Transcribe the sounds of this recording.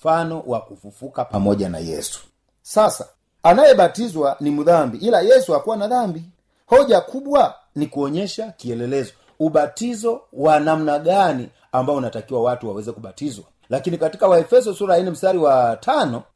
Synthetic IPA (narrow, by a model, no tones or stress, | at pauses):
fanɔwakufufukapamɔʄana̰jɛ̰su̥ | sasa | anajɛɓatizwanimuðambiʔilajɛsuhakuwanaðambi | hɔʄakʰuɓwa | nikuɔɲɛʃakiɛlɛlɛzɔ | uɓatizɔwanam̩naɡani | ambaɔunatakiwawatuwawɛzɛkuɓatizwa | lakinikatikawaɛfɛs̬ɔsuɾainɛm̩staɾiwatʰanɔ